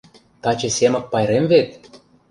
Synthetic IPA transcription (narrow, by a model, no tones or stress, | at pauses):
t̪ɑt͡ɕɤ̆sʲemə̆k̚pɑjɾemvet̪̚